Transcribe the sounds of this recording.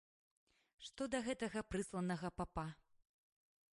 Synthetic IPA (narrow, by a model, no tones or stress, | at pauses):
ʂt̪ɔd̪ɐɣɛt̪ɐɣɐpɾɨslˠɐnɐɣɐpapa